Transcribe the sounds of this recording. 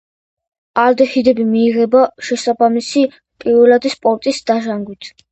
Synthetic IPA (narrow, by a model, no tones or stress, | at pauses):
aɾd̪ɛχid̪ɛbimiːʁɛbaʃɛsabamisi | pʼiɾvɛlad̪ispʼɔɾt̪ʼisd̪̥aʒaŋɡwit̪ʰ